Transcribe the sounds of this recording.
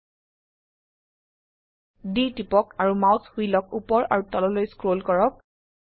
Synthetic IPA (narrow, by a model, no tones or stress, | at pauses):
ditipɔkaɹumawt̪ʰhuijlɔk̚upɔɹa̰ɹutɔlɔlojskɹolkɔɹɔk̚